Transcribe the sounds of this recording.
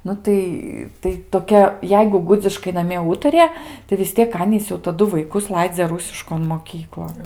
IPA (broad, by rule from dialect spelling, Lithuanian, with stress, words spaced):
ˈnʊ tɐɪ tɐɪ toːˈkʲɛ ˈjɛɪɡʊ ˈɡʊd͡zʲɪʃkɐɪ nɐˈmʲiɛ ˈuːtɐrʲɪjɛ tɐɪ ʋʲɪs ˈtʲiɛk ˈɑːnʲiːs jɛʊ tɐˈdʊ ʋɐɪˈkʊs ˈlˠɐɪd͡zʲɛ ˈrʊsʲɪʃkoːn moːˈkʲiːklˠoːn